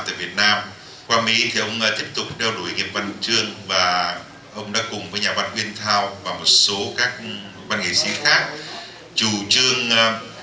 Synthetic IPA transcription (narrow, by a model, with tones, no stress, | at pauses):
t̪a̰ː˧˨jvi˨˩ət̚naː˧m | kwaː˧mḭ˧˥t̪ʰi˨˩ʔə˧wŋ͡mt̪i˦˥əp̚t̪ʊ˨˩k͡p̚ɗɛ˧wɗu˧˩jŋi˨˩əp̚va˧nt͡ɕɨ˧əŋvaː˨˩ | ʔə˧wŋ͡mɗa̰ː˧˦˥kʊ˨˩ŋ͡mvəː˨˦jɲaː˨˩va˧nʔwi˧ənt̪ʰaː˧wvaː˨˩mo˨˩t̚so˨˦kaː˦˥k̚ | vaː˧nŋḭ˧˨˩si˨˦xaː˦˥k̚ | t͡ɕu˧˩t͡ɕɨ˧əŋ˧